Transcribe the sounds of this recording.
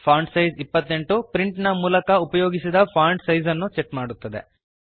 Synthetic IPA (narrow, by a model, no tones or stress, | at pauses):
pʰaːɳɖsɐjzipːɐt̪ːe̞ɳʈupɾiɳʈnɐmuːlɐkɐupɐjoːɡisid̪ɐpʰaːɳɖsɐjzɐnːut͡ʃeʈmaːɽut̪ːɐd̪e̞̰